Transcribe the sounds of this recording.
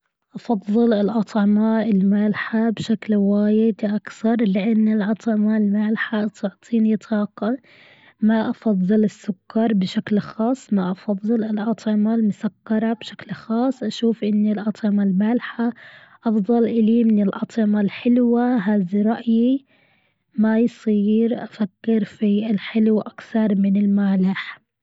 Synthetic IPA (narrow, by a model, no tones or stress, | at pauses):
ʔɑfɑðˤːɨlɪlʔɑt̪ˤʕɪmaɪlmaːlħabʃaklwaːjɪd̪ʔakθɑɾˤlɪʔanːɪlʔɑt̪ˤʕɪmalmaːlħat̪ʰʊʕt̪ˤʰiːnit̪ˤʰɑːqɑ | maʔɑfɑðˤːɨlɪsːʊkːɑɾˤbɪʃaklxɑːsˤːmaʔɑfɑðˤːɨlɪlʔɑt̪ˤʕɪmalmʊsakːɑɾˤɑbʃḁklxɑːsˤːʔaʃuːfʔɪnːilʔɑt̪ˤʕɪmalmaːlɪħa | ʔɑfðˤɑlʔɪlimɪnɪlʔɑt̪ˤʕɪmalħɪlwaɦaːðiɾˤɑʔji | majsˤiːɾʔafakːɪɾfiɪlħɪlwʔakθɑɾˤmɪnɪlmaʕlaħ